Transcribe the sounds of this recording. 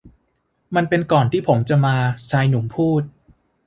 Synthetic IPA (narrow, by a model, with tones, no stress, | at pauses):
ma˧npe˧nkɔː˨˩nt̪ʰiː˥˩pʰo˩˦mt͡ɕa˨˩maː˧t͡ɕʰaː˧jnu˩˦ŋpʰuː˥˩t̪̚